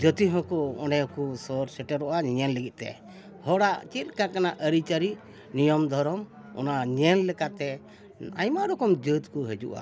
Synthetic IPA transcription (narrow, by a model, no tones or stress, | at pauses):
d͡ʒɔt̪iɦɔ̃kɔɔ̰nɛɔkusɔɾsɛʈɛɾɔʔaɲɛnləɡit̪̚ˀt̪ɛ̰ | hɔɽaʔt͡ʃit̪̚kãkanaʔəɾit͡ʃaɾi | nijɔmd̪ʱɔɾɔm | ɔ̰naɲɛnlɛkat̪ɛ | a̰jmaɾɔkɔmd͡ʒət̪kɔɦɛd͡ʒṵʔa̰